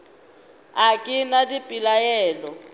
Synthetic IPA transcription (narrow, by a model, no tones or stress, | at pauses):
akʼɪnadipʼilajɛːlɔ